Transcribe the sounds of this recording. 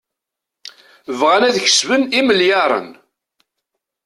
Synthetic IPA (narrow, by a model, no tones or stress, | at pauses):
vʁænæðçə̥svəniməljɑɾˤə̰n